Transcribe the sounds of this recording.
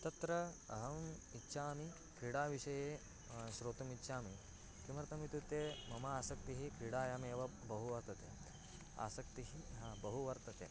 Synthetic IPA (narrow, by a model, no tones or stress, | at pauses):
t̪ɐt̪ɾɐɐɦɐmitːʃʰaːmi | kʰɾiɽaːʋiʃɐjeː | ʃɾoːt̪ɐmitːʃʰaːmi | kimɐɾt̪ɐmit̪ut̪eːmɐmaaːsɐk̚t̪iɦikɾiɽaːjaːmeːʋɐbɐɦuʋɐɾt̪ɐt̪eː | a̰ːsɐkt̪iɦibɐɦuʋɐɾt̪ɐt̪ḛː